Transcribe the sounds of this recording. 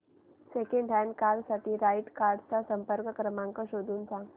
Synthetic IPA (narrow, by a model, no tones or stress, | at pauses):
sekẽɳɖɛːnkaːɾɖsat̪iɾaːɪʈkaːɾɖsasə̃mpəɾkkɾəmãːŋkoʃoːd̪ʱunsã